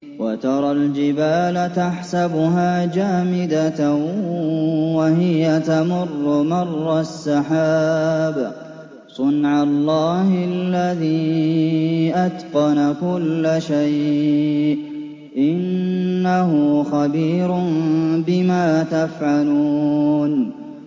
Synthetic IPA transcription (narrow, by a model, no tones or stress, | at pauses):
wat̪ɑɾˤɑld͡ʒɪbaːlat̪aħsabʊɦaːd͡ʒaːmɪd̪a | waɦɪjat̪amʊrˤːʊmɑrˤːasːɑħaːba | sˤʊnʕalˤːɑːhɪlːaðiː | ʔad̪qɑnakʊlːaʃajʔʔ | ʔɪnːaɦʊxabiːɾʊbɪmaːt̪afʕaluːn